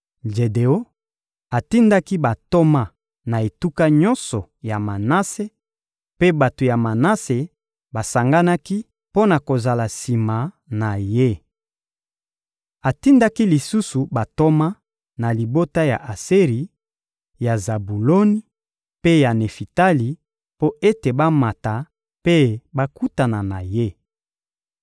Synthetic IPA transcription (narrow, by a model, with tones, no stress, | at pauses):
ʒe˨de˨o˦ | a˨ti˦nda˦ki˦ba˨to˦ma˦ | na˨e˨tu˦ka˦ɲɔ˦nsɔ˨ja˨ma˨na˦se˦ | pe˦ba˨to˨ja˨ma˨na˦se˨ | ba˨sa˨ŋɡa˦na˦ki˦ | po˦na˨ko˨za˨la˨si˨ma˨ | na˨je˦ | a˨ti˦nda˦ki˦li˨su˦su˨ba˨to˦ma˦ | na˨li˨bo˦ta˦ja˨ʔa˨se˦ʁi˨ | ja˨za˨bu˨lo˦ni˦ | pe˦ja˨ne˨fi˨ta˦li˨ | po˦ʔe˦te˨ba˦ma˨ta˨ | pe˦ba˦ku˦ta˨na˨na˨je˦